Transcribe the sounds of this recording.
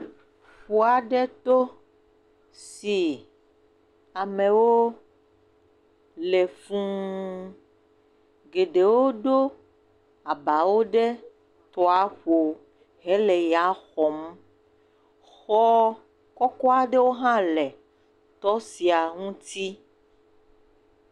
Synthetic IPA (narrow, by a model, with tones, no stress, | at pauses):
ɸu˨a˨ɖe˦t̪o˦ | si˨ | a˨mẽ˨wo˦ | le˨fũ˦ | ɡe˨ɖe˨wo˦ɖo˦ | a˨ba˨wo˦ɖe˦ | t̪ɔ˨a˦ɸo˨ | ɦe˦lɛ˨ja˨˦xɔ˨m˦ | xɔ˦ | kɔ˦kɔ˦a˦ɖe˦wo˦ɦã˦lɛ˨ | t̪ɔ˦si˨a˨ŋũ˦t̪i˦